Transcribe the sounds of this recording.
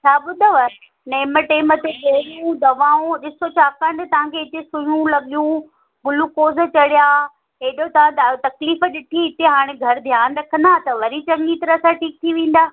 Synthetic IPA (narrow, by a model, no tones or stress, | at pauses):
t͡ɕʰaːɓʊd̪ʱəʋə | nɐːməʈeːɪmət̪eɗoːɾũd̪ɐʋaːõɗɪsot͡ɕaːkãːɳɖt̪ɐʋ̤ãkʰeɪt̪esʊ̃jũlɐɠijũ | ɡʊlukoːz̆t͡ɕɐɽijaː | ɦeɗot̪ɐʋ̤ãt̪ɐkliːfə̆ɗɪʈʰiɦɪt̪eɦaːɽ̃eɡʱɐɾd̪ʱjaːnɾɐkʰə̃nd̪aːt̪ɐʋɐɾit͡ɕɐŋit̪ɐɾəsãʈʰiːk̚t̪ʰiʋẽːn̆d̪aː